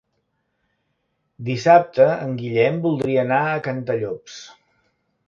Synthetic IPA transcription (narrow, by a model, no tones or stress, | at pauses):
d̪isap̚t̪əəŋɡiʎɛmbulˠd̪ɾiəːnaəkənt̪əʎops